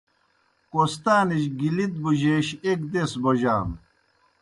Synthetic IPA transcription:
kost̪aːniɕɡilit̪̚buʑeːɕekd̪esboʑaːm

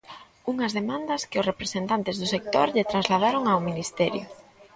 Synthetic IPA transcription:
uŋɐzðemãnd̪ɐskɪʊsrepɾesent̪ant̪ɪzðʊsek̚t̪oɾʎet̪ɾanzlað̞aɾoŋawminist̪ɛɾjʊ̰

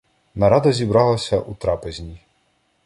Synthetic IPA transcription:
nɐɾɑd̪ɐzʲibɾɑlˠɐsʲɐʔut̪ɾɑpezʲnʲi

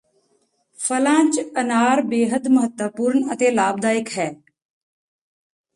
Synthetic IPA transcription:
fəlãːt͡ʃənaːɾbeːɦəd̪məɦət̪wəpuːɾɳət̪eːlaːb̚d̪aːɪkɦɛː

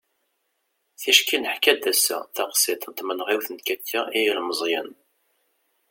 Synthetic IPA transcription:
θiʃkinəħkæd̪æsæ̰θæqsɪt̪nt̪mənʁiwθənt̪kækʰːæʔijlməzˤjə̰n

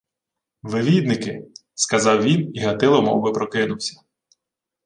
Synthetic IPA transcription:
ʋɪʋʲid̪nɪkɪ | skɐzɑwʋʲiniɦɐt̪ɪlˠɔmɔ̰bɪpɾɔkɪnʊwsʲɐ̥

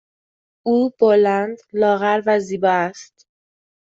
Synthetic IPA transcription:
uːb̥olænd̪lɒːɣæɾvæziːbɒːæst̪

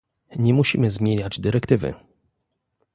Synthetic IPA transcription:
ɲɛmuɕḭmɘzmʲjeɲad͡ʑd̪ɘɾɛkt̪ɘvɘ̰

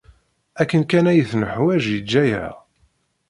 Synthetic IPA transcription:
ækːənkænæjəθnəħwæʒjəd͡ʒːæjæ̰

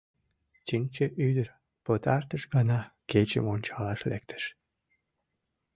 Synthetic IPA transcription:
t͡ɕinʲt͡ɕəʔyd̪əɾ | pɤt̪ɑrt̪əʃɡɑnɑket͡ɕə̰monʲt͡ɕɑlɑʃlḛk̚t̪ʰə̥ʃ

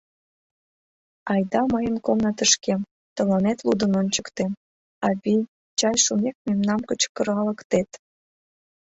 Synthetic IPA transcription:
ɑjd̪ɑməjənkomnɤt̪əʃkem | t̪ə̆lɑnet̪lud̪ənonʲt͡ɕəkt̪em | ɑβij | t͡ɕɑjʃunek̚memnɑmkət͡ɕkə̆ɾɑlə̆kt̪et̪

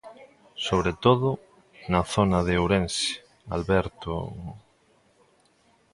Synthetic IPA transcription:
soβɾet̪oðʊ | nɐθonaðeowɾense̥ | a̰lβɛɾt̪o̰mu

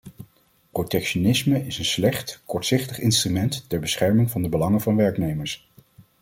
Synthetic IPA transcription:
protɛkʃonɪsməɪsənslɛχtkɔɹtsɪχtəχɪnstrymɛntːɛɹbəsχɛɹmɪŋvɑndəbəlɑŋəvɑnʋɛɹknejməɹs

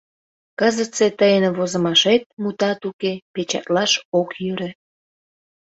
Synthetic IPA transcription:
kəzət͡set̪əjənβozə̆mɑʃet̪̚mut̪ɑt̪ukepet͡ɕɑ̰t̪lɑʃokjyɾe

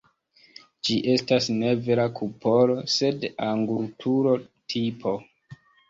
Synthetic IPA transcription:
d͡ʒiʔe̞stasne̞ve̞ɾakʰupʰo̞lo̞se̞daŋɡultʰuɾo̞tʰipʰo̞

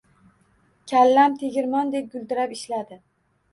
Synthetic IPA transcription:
kʲʰalːamt̪ʰeɡʲɪɾmɒnd̪ep̚ɡʲʊld̪ɪɾapɪʃlad̪ɪ

